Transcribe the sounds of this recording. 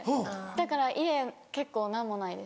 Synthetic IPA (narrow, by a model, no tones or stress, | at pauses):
hod̪akaɾaʔiɾeke̞kːo̞ːnamːonaid̪e̞s